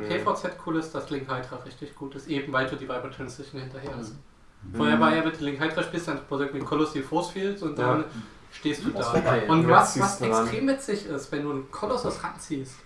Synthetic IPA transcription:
pʰeːfɔɐt͡sɛtkʰuːlɪst̚d̥aslɪŋkhaɪdʁɐʁɪçtɪçɡ̥uːtɪstʔeːbm̩vaɪlduːdiːvaɪbɐtʰʏnsɪçn̩hɪntɐheːɐhast | foːɐeɐvaɐeːɐvɛndulɪŋhaɪd̥ʁɐʃpiːlstd̥anb̥ozɪɡ̩ɪkʰɔlɔsiːfɔːsfiːltʊntd̥an | ʃteːstd̥uːdaːʔʊntvasvasɛkstʁ̥eːmvɪtz̥ɪçɪstv̥ɛnduːnkʰɔlɔsɔsʁantt͡siːst

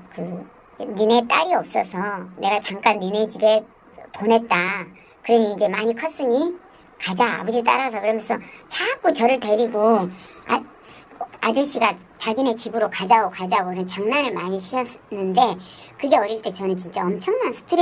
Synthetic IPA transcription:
kɯ | nine̞t͈a̰ɾiʌp̚s͈ʌsʰʌne̞ɡat͡ɕaŋk͈anːinet͡ɕibe̞ | ponɦe̞t̚t͈a | kɯɾʌɲiːnd͡ʑe̞maɲikʰʌs͈ɯɲi | kad͡ʑa̰ːbʌd͡ʑit̬͈a̰ɾas̬ʰʌkɯɾʌmjʌnsʰʌt͡ɕak͈ot͡ɕʌɾɯɭte̞ɾiɡoa̰ | ad͡ʑuɕ͈iɡa | t͡ɕaɡine̞t͡ɕibɯɾokad͡ʑaɡokad͡ʑaɡokɯɾʌnt͡ɕaŋnaɾɯɭmaɲiɕʰiʌsnɯnde̞kɯɡe̞ʌɾiɭt͈e̞t͡ɕʌnɯnt͡ɕint͡ɕ͈aʌmt͡ɕʰʌŋmansʰɯ̥tʰɯɾ

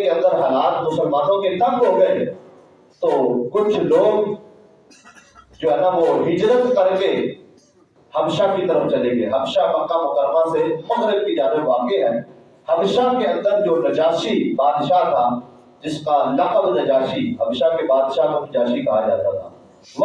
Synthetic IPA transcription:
keɐ̃nd̪əɾɦɐlaːt̪mʊsəlmãːnõket̪ɐbɦoɡɐe | t̪oːkʊt͡ʃʰloːɡ | d͡ʒoːɦɛːnaʋoɦɪd͡ʒɾət̪kɐɾke | hɐmɪʃakit̪ɐɾəft͡ʃɐlẽːɡeɦɐmʃapɐkːãɦokɐɾmãsemɐxɾək̪̚kid͡ʒaːɾəʋaːkeɦɛː | hɐmeːʃakeɐ̃nd̪əɾd͡ʒoːnɐd͡ʒaːʃibaːd̪ʃat̪ʰa | d͡ʒɪskalɐqəbnɐd͡ʒaːʃiɦɐmɪʃakebaːd̪ʃakonɪd͡ʒaːʃikɐɦad͡ʒa̰ːt̪at̪ʰaː | ʋ

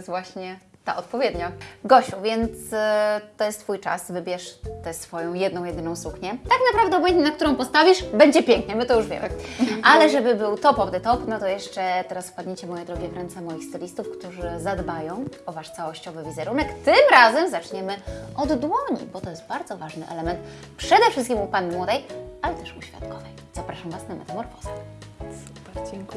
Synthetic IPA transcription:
st̪vwaɕɲɛt̪aʔɔt̪̚pɔvʲjɛd̪ɲaɡɔɕuvʲjɛnt̪st̪ɔjɛst̪fujt͡ʂa̰svɘbʲjɛʂt̪ɛsfɔjɔ̃w̃jɛd̪nɔ̃w̃jɛd̪ɘnɔ̃w̃sukɲɛt̪aknapɾavd̪ɛɔbɛɲɛnak̚t̪uɾɔ̃w̃pɔst̪avʲiʂbɛɲd͡ʑɛpʲjɛŋkɲɛmɘt̪ɔjuʐvʲjɛ̰mʔalɛʐɛbɘbɘwt̪ɔpɔvd̪ɛt̪ɔpnɔt̪ɔjɛʂt͡ʂɛt̪ɛɾasfpad̪ɲet͡ɕɛmɔjɛd̪ɾɔɡʲjɛvɾɛnt̪sɛmɔjixst̪ɛlʲist̪ufkt̪uʐɘzad̪bajɔ̃w̃ɔvaʂt̪sawɔɕt͡ɕɔvɘvʲizɛɾunɛkt̪ɘmɾazɛmzat͡ʂɲɛmɘɔd̪ːwɔɲḭbɔt̪ɔjɛst̪̚baɾd̪zɔvaʐnɘʔɛ̰lɛmɛnt̪ | pʂɛd̪ɛfʂɘst̪kʲimupanːɘmwɔd̪ɛjalɛt̪ɛʂuɕfʲja̰t̪kɔvɛj | z̥apɾaʂamvasnamɛ̰t̪ɛmɔɾfɔza

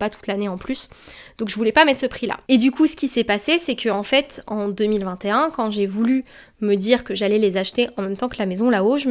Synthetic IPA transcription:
pat̪u̥t̪laneɑ̃plysd̪̥ɔ̃kʒəvulɛpamɛt̪χsəpχila̰ed̪ykʰusə̥kʲisɛpasesɛkʰəɑ̃fɛt̪ɑ̃d̪ømilvɛ̃t̪eɛ̃kɑ̃ʒevuly | məd̪iʁkəʒalɛlezaʃt̪eʔɑ̃mɛmt̪ɑ̃kəlamezɔ̃laoʒ

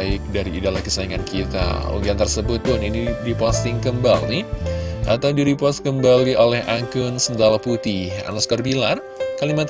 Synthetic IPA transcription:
ɪk̚daɾiːdalahkəsaiŋankʰit̪a̰ṵŋɡiaŋt̪ərsəbʊt̪̚pʊninidipɔst̪ɪŋkəmbalnihʔa̰t̪awdiɾipɔst̪kəmbaliʔolɛhakʊnsənd̪alaput̪iha̰naskɔrbilar | kalimat̪

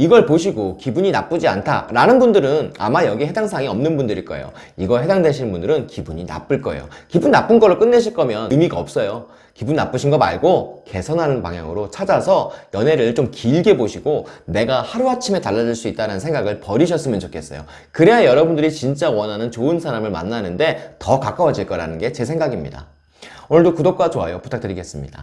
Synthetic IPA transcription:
iɡʌɭpoɕʰiɡokibuɲinap͈ɯd͡ʑia̰ntʰa̰ɾanɯnbundɯɾɯna̰majʌɡihe̞daŋsʰaŋiʌmnɯnbundɯɾik͈ʌ̰ḛjo̰ | iɡʌɦe̞daŋdeɕʰinnbundɯɾɯnkibuɲina̰p͈ɯɭk͈ʌejo̰kibunːap͈ɯnɡʌɭːoɭk͈ɯnːe̞ɕʰiɭk͈ʌmjʌnɯmiɡaʌp̚s͈ʌjo | kibunːap͈ɯɕʰinɡʌba̰ɭɡoke̞sʰʌnɦanɯnpa̰ŋɦja̰ŋɯɾot͡ɕʰad͡ʑasʰʌjʌne̞ɾɯɭt͡ɕomkiɭɡe̞boɕʰiɡ̥one̞ɡahaɾuɦat͡ɕʰime̞taɭːad͡ʑiɭs͈uit͈̚aɾanɯnsʰeŋɡaɡɯɭpʌɾiɕʰʌs͈ɯmjʌnt͡ɕokʰe̞s͈ʌ̰jo̰ | kɯɾeajʌɾʌbundɯɾit͡ɕint͡ɕ͈awʌnɦanɯnt͡ɕoɯnsʰaɾamɯɭma̰nːanɯnde̞tʌkak͈awʌd͡ʑiɭk͈ʌɾa̰nɯnɡe̞t͡ɕe̞sʰe̞ŋɡaɡimɲḭda̰ | onɯɭdokudop̚k͈wat͡ɕoa̰jopu̥tʰak̚tɯɾiɡe̞s͈ɯmɲida̰

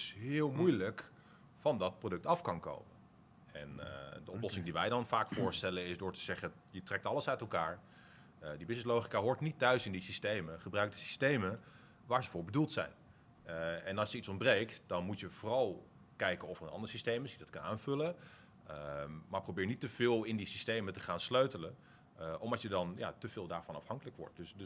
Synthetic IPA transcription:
sɦɪːlˠmujlək | fɑndɑt̚prowdɵk̚tɑfkɑnko̰wmə | ɛ̰ndəɔplɔsɪŋdiʋɛjdɑnfaːkfʊːɹstɛlənɪsdʊːɹtəz̥ɛχə | jətrɛk̚tɑləsœɥtɛlˠkaːɹ | dibɪsnɪslowχi̥kaːɦʊːɹtnitœɥsɪndisistejməχəbrœɥk̚dəsi̥stejmə | ʋaːɹzəvʊːɹbədulˠtsɛ̰jn | ɛnɑlˠsjəitsɔmbrejktd̥ɑnmutjəvʊːrɑlˠ | kɛjkənɔfərənɑ̰ndəɹsistejmɪsjədɑtkɑnaːnv̥ɵlə | maːɹprowbɪːɹnitəv̥ɪːlˠɪndisistejmətəχaːnsløɥtələn | ʔɔmdɑtjədɑnja̰təv̥ɪːlˠdaːɹvɑnɑ̰fhɑŋkələkʋɔ̰ɹt̚d̥ɵsd

